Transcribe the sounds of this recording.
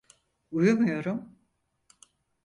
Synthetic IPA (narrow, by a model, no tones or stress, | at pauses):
ujumujo̞ɾum